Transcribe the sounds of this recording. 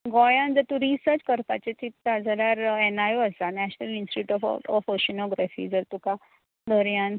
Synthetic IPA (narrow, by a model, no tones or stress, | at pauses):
ɡɔjãnd͡zəɾt̪uɾisəɾt͡ɕkəɾpa̰t͡ɕet͡ɕit̪ːad͡zəljaɾɛnajuəsanæɕnəlĩnsʈiʈuːʈɔfɔfəɕinɔɡɾafḭd͡zəɾt̪uka | d̪əɾjãn